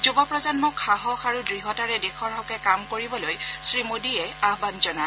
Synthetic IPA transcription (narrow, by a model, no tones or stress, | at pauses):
zubɔpɹɔzɔnmɔkʰaɦɔxʰaɹudɹiɦɔtaɹɛdekʰɔɹɦakɛkamkoɹibɔlojsɹimodiɛaɦbanzɔna